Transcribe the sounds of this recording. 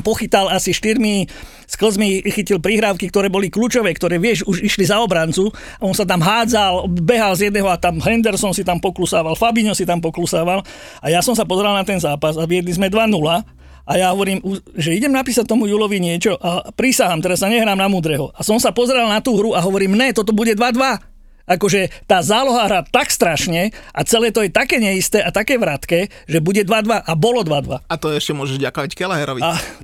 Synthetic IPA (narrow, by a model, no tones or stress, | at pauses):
mpɔxit̪alasiʃt̪iɾmi | skl̩zmixicilpɾiɦɾaːʊkikt̪ɔɾɛːbɔlikluːt͡ʃɔʋɛːkt̪ɔɾɛːʋɪɛʃuʒiʃlizaɔbɾant͡su | aɔnsat̪amɦaːd͡zalbɛɦalzjɛd̪nɛːɦɔat̪amɦɛnd̪ɛɾsɔnsit̪ampɔklusaːʋalfabiɲɔsit̪ampɔklusaːʋal | ajasɔmsapɔzɛɾalnat̪ɛnzaːpasaʋɪɛd̪nizmɛd̪ʋanula | ʔajaɦɔʋɔɾiːmuʒɛiɟɛmnapiːsac̚t̪ɔmujuːlɔʋiɲɪɛt͡ʃɔʔapɾisaɦamt̪ɛɾasaɲɛɦɾaːmnamuːd̪ɾɛɦɔʔasɔmsapɔzɛɾalnat̪uːɦɾuaɦɔʋɔɾiːmnɛt̪ɔt̪ɔbuɟɛd̪ʋad̪ʋa | akɔʒɛt̪aːzaːlɔɦaɦɾaːt̪akst̪ɾaʃɲɛʔat͡sɛlɛːt̪ɔjɛt̪akɛːɲɛist̪ɛːʔat̪akɛːʋɾat̪kɛː | ʒɛbuɟɛd̪ʋad̪ʋaʔabɔlɔd̪ʋad̪ʋaat̪ɔɛʃcɛmʊɔʒɛʒvɟakɔʋackɛlɛɦɛɾɔʋia